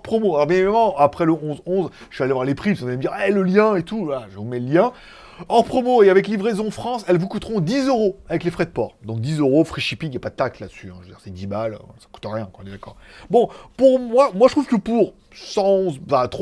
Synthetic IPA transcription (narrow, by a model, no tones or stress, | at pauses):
pχɔmoalɔʁbjɛ̃evamɑ̃apχɛləɔ̃zɔ̃z | ʃyalevwaʁlepχipskvɛməd̪iʁɛləljɛ̃et̪uvlaʒəvumɛləljɛ̃ | ɑ̃pχɔmoeavɛklivʁɛzɔ̃fχɑ̃sɛlvukut̪ʁɔ̃d̪izøʁoavɛklefχɛd̪əpɔːʁd̪ɔ̃k̚d̪izøʁofχiʃipikjapad̪ət̪ak̚t̪lad̪əsyɛ̃ʒvəd̪iʁsɛd̪ibalø̰sḁku̥t̪ɑ̃ʁjɛ̃kɑ̃nɛd̪akɔ̰ːʁbɔ̃puʁmwamwaʒət̪χuvkəpuʁ | sɑ̃ɔ̃zfat̪